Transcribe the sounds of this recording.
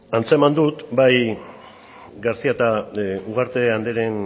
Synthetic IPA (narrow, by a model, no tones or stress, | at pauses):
ant͡se̞mand̪ut̪baj | ɡaɾsiat̪auɣ̞aɾt̪e̞and̪eɾe̞n